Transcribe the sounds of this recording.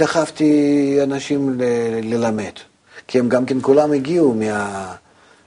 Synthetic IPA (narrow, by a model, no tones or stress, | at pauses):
d̪aχaft̪ʲianaʃimlelɪlame̞d̪̥ | kʲiemɡamkʲenkulamɪɡʲiumʲɪa